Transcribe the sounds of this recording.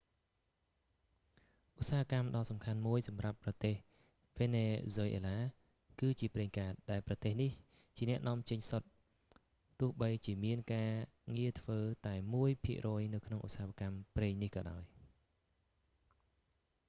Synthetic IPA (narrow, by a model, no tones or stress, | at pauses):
ʔusaːɦakamɗɑːsɑmkʰanmuəjsɑmrapːrɑt̪eːh | ʋeːneːzojʔḛːlaː | kɨːt͡ɕiəpreːŋkaːt̪̚ɗaɛlprɑt̪eːhnih | t͡ɕiənɛ̆əʔnʔɔ̆əmt͡ɕəɲsot̪̚ | t̪ːʊ̆əhɓəjt͡ɕiəmiənkaː | ŋiət̪ʰʋəːt̪aɛmuəjpʰiəʔrɔːjnɨwkʰnoŋʔṵsaːɦakampreːŋnihkɑːɗaɔj